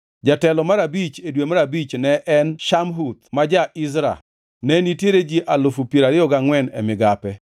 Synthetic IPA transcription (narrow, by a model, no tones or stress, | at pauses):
d͡ʒatɛlɔmaɾabit͡ʃedwemaɾabit͡ʃnɛʔɛnʃamɦut̪̚mad͡ʒaʔɪzɾa̰ | nɛnitjeɾed͡ʒiʔalofupeɾaɾɪɔɡaŋwɛnɛ̰mɪɡapɛ